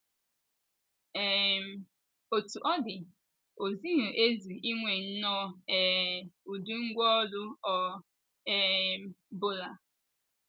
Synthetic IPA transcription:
ɛ˨m˦ | o˨tu˨ʔɔ˦dɪ˨ | o˨zi˦ɦʊ˨ʔe˦zu˨ʔi˦ŋʷe˨n̩˦nɔ˦ɛ˨u˨du˦ŋ̩˦ɡʷɔ˦lʊ˦ɔ˨ | ɛ˨˦bʊ˦la˨

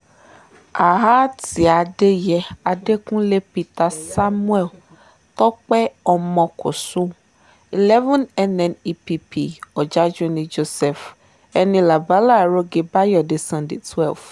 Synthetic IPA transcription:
a˨ɦa˦ti˨a˨ɖe˦jɛ˨a˨ɖe˦kũ˦le˦pi˦t̪a˨sa˦mũ˦ɛ˨l | t̪ɔ˦k͡pɛ˦ɔ˨mɔ̃˨kʊ˨sʊ̃˦ | i˨lɛ˦vɛ̃˦nɛ˦nɛ̃˨ni˦pi˦pʰi˦˨ɔ˨d͡ʒa˦d͡ʒẽ˦nĩ˨d͡ʒo˦sɛ˨f | ɛ˦nĩ˦la˨ba˦la˦˨ɾo˦ɡe˨ba˦jɔ˨de˨sã˨nde˨tʰwɛ˦˨lf

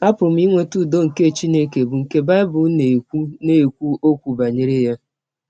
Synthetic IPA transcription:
a˦pʊ˨m̩˦i˦ŋʷe˦tu˦˨do˦ŋ̩˨ke˦˨t͡ʃi˦ne˦ke˨bʊ˨ŋ̩˨ke˦ba˦ɪ˦bʊ˨˦ne˨kʷu˦ne˦e˨kʷu˦o˦kʷu˨ba˨ɲe˨ɾe˦ja˦

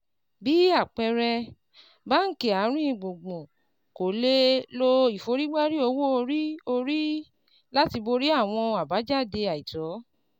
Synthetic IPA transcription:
bi˨˦a˦˨k͡pɛ˧ɾɛ˧ | ba˦ŋ̩˦ke˨a˨˦ɾ̃ĩ˦ĩ˦˨ɡ͡bõ˨ɡ͡bõ˨ | ko˨le˦lo˦i˨fo˨˦ɾi˦ɡ͡ba˦ɾi˦o˧wo˦o˧ɾi˦o˧ɾi˦ | la˦ti˧bo˧ɾi˦a˦˨w̃ɔ̃˧a˨ba˨˦d͡ʒa˦˨de˧a˨i˨tɔ˨˦

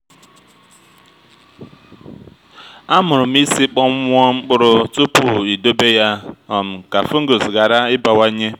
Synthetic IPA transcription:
a˦mʊ˨ɾʊ˨m̩˦i˦si˦k͡pɔ˦mʷ˦ɔ˦ŋ͡m̩˦k͡pʊ˦ɾʊ˦tu˦pu˨i˨do˦be˦ja˦ɔ˨m̩˨ka˨fu˦ŋ̩˦ɡo˨sɡa˨ɾa˦ɪ˦ba˨wa˦ɲe˦

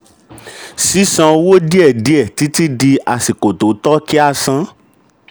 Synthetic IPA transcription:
si˦sã˧wo˦di˦ɛ˦˨di˨˦ɛ˦˨ti˨˦ti˦di˧a˨si˨ko˨to˨˦tɔ˦ki˦a˧sã˧

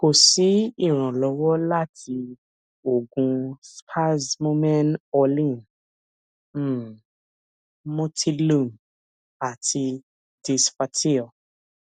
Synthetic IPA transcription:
ko˨si˨˦i˦˨ɾ̃ã˨lɔ˨˧˦wɔ˦la˦˨tʰi˧ | o˨ɡũ˧spʰa˦smo˦mɛ̃˦nɔ˧lĩ˦˨n˦ | mõ˦tʰi˦˧lũ˦˨m | a˨tʰi˧ | di˧spa˧tʰi˦ɔ˨

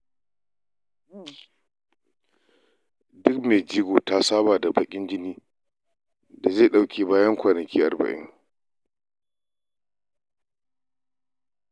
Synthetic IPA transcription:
dʊ˦kmeː˨d͡ʒiː˦ɡʷoː˨ta˦saː˦baː˨da˨bɐ˨kʲʼɪ˦nd͡ʒɪ˦niː˦ | da˨zeː˦˨ɗa˦˨wkʲeː˨baː˦jɐ˦ŋkʷaː˨nɐ˨kʲiː˦ʔa̰˨rbɐ̰˨ʔɪ̰˦ŋ

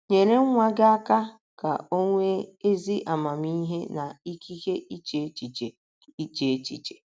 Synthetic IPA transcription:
ɲe˨ɾe˦ŋ̩˦ŋʷa˦ɡa˦a˦ka˦ | ka˨o˦ŋʷe˦e˦zi˦ʔa˨ma˨m˦i˦ɦe˦na˨i˦kʰi˦ke˦ʔi˦t͡ʃe˨˦t͡ʃi˨t͡ʃe˨ | i˦t͡ʃe˨e˦t͡ʃḭ˨t͡ʃe̥˨

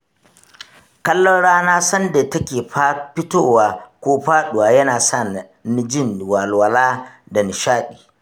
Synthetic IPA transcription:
kɐ˦lːɔ˦nɽaː˦naː˦sɐ˦nde˨tɐ˦kʲeː˨ɸa˦ɸɪ˦toː˦waː˨kʷoː˦ɸaː˦ɗʊ˨waː˨jɐ˦naː˨sɐ˦˨ | n˦d͡ʒɪ˦˨nwa˨lwɐ˨laː˦dɐ˨nɪ˨ʃaː˦ɗi̥ː˨

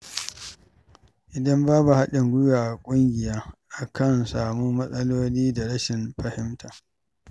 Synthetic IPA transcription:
ʔɪ˨dɐ˦mbaː˦bu˨ha˦ɗɪ˨ŋɡʷʊ˦jaː˨ʔkʷʼʊ˦ŋɡʲɪ˨jaː˦ʔa˨kʰɐ˦˨nsaː˨muː˦mɐ˦sʼɐ˦loː˦liː˦da˨ɽɐ˦ʃɪ˨mɸɐ˨hɪ˦mtʰaː˨

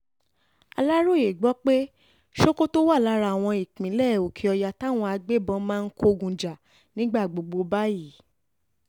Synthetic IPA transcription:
a̰˧la˦ɾo˦˨je˨ɡ͡bɔ˦k͡pe˦ | ʃo˦ko˦to˦wa˦˨la˦ɾa˧˨w̃ɔ̃˧i˨k͡pĩ˨˦lɛ˦˨o˨kʰi˧˦ɔ˧ja˧ta˦˨w̃ɔ̃˧a˧ɡ͡be˦˨bɔ̃˧˦mãː˦˧n̩˦ko˦˧ɡũ˧d͡ʒa˨ | nĩ˦ɡ͡ba˦˨ɡ͡bo˨ɡ͡bo˧ba˦ji˦˨˦

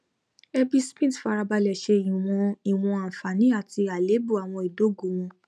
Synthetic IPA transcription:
ɛ˦bi˦spĩ˦˨tfa˧ɾa˧ba˧lɛ˨ʃe˧i˨w̃ɔ̃˧i˨w̃ɔ̃˧a˨fa˨nĩ˨˦a˦˨ti˧a˨le˨˦bu˦˨a˨w̃ɔ̃˧i˨do˨˦˨ɡu˨w̃ɔ̃˧

